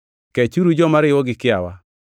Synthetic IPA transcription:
kɛt͡ʃuɾud͡ʒɔmaɾɪwɔɡɪkɪa̰wa

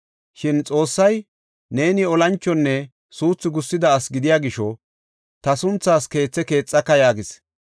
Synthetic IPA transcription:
ʃɪnt͡sʼo̞ːsːɐj | ne̞ːnɪɔlɐnt͡ʃːɔnːɛ | suːt͡sːɪɡʊsːɪd̪ɐːsɡɪd̪ɪjaːɡɪʃɔ | t̪ɐsʊnt͡sːaːske̞ːt͡sːɛke̞ːt͡sʼːɐkːɐjaːɡɪs

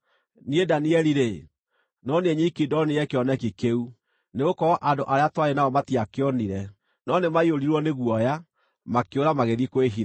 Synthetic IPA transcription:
niedaniɛɾiɾe | nɔneɲikidɔniɛkeɔnɛkikeu | neɣokɔɔʔandoʔaɾeatwaɾenaɔmatiakeɔniɾɛ | nɔnemaioɾiɾwɔneɣwɔja | makeoɾamaɣeðikweɦiɾa

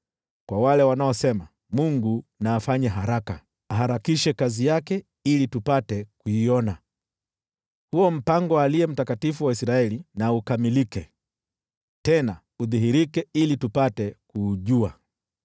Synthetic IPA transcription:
kwawalɛwanaɔsɛma | muŋɡunaːfaɲaɦaɾaka | aɦaɾakiʃɛkazijakɛ | ilitupatɛkuiɔna | huɔm̩paŋɡɔaliɛm̩takatifuwaisɾaɛlinaukamilikɛ | tɛna | uðiɦiɾikɛilitupatɛkuːʄua

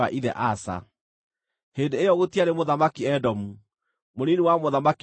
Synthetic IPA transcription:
a̰ʔiðɛ̰ʔasa̰ | hendeejɔɣotiaɾemoðamakiɛdɔmu | moɾiniwamoðamaki

